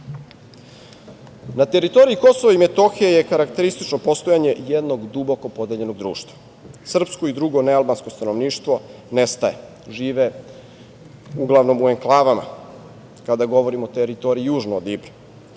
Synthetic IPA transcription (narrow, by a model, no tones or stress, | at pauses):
nat̪e̞ɾit̪o̞ɾiiko̞soʋaimet̪o̞xijejekaɾakt̪e̞ɾist̪it͡ʃnopo̞st̪o̞jaɲe̞jed̪no̞ɡd̪uboko̞po̞d̪eʎe̞no̞ɡd̪ɾṵːʃt̪vḁ | sr̩psko̞id̪ɾuɡo̞nealbansko̞st̪ano̞ʋniːʃt̪ʋo̞nest̪aḛ | ʒiːʋe | uɡlˠaʋno̞mueŋklˠaːʋama̰ | kad̪aɡo̞ʋo̞ɾimot̪eɾit̪o̞ɾiijuːʒnoːd̪ibɾi